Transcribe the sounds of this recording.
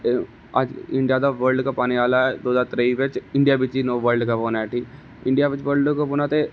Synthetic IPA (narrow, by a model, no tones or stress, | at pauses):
aːd͡ʒɪ̃ɳɖijad̪aʋəɾlɖkapaːniʋaːlaɛd̪oːd̪at̪ɾeiʋet͡ʃɪ̃ɳɖijabɪt͡ʃinoːʋəɾɖkaboːnaɛʈʰiːk | ɪ̃ɳɖijaʋɪt͡ʃʋəɾɖkoboːnat̪e